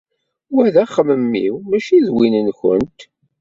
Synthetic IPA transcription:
wæðæχəməmːḭwmæʃiðwinənçə̰nt̪

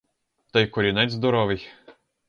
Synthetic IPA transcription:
t̪ɐjkɔɾʲinɛzd̪ɔɾɔʋɪj

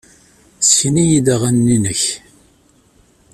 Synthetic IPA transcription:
sçnijid̪aʁænːinəç

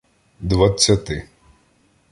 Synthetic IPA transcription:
d̪ʋɐt͡sʲːɐt̪ɪ

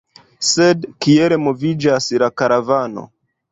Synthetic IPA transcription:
sedkieɾe̞mo̞vid͡ʒaslakaɾavano̞̰

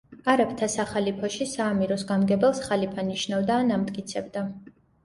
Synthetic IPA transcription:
aɾɛp̚ʰt̪ʰasaχalipʰɔʃisaːmiɾɔsɡamɡɛbɛlˠsχalipʰaniʃnavd̪aːnamt̪ʼkʼit̪sʰɛb̚d̪a

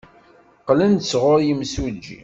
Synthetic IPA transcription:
qlənd̪sʁʊɾjimsud͡ʒḭ

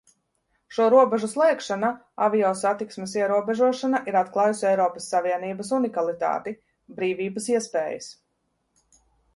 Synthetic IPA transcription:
ʃuɔɾuɔbɛʒuslˠɛjkʃana | avijɔːsat̪iksmes̬iɛɾuɔbeʒuɔʃanaʔiɾat̪klˠɑːjusʲɛjɾɔːpɐsːaviɛniːbɐsunikalˠit̪a̰ːt̪i | bɾiːviːbəsiɛspɛːjḭs

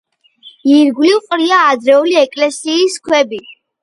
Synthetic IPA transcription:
iɾɡwliqʼɾiaːd̪ɾɛuliɛkʼlɛsiːskʰwɛbi

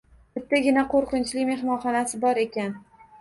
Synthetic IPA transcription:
b̥ɪt̪ʰːaɡʲɪnaqoɾqɨnt͡ʃlɪkʲme̞hmɒnχɒnasɪbɒɾe̞kʲan

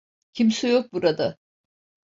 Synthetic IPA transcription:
cʰimsijok̚buɾad̪a

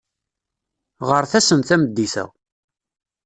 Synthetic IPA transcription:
ʁəɾθæsəmθæməd̪ːiθə̰

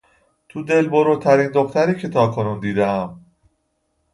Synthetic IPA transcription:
t̪ʰud̪e̞lboɾut̪ʰæɾiːnd̪o̞xt̪ʰæɾiːcʰe̞t̪ʰɒːkʰo̞nuːnd̪iːd̪eæm

